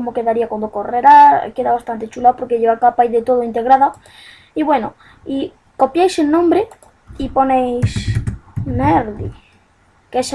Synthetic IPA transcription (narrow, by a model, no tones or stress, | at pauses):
omokeðaɾiakwand̪okoreɾa̰keðaβast̪ant̪et͡ʃulapoɾkeʎeβakapajðet̪o̞ð̞oint̪e̞ɣɾaða | iβwe̞no | i | ko̞pjejselnõmbɾe | ipo̞nejs | neɾðḭ | kes